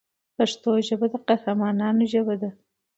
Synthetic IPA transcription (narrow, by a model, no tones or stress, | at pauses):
paʂt̪oʒəbad̪aqahɾamɑnɑnoʒəbad̪a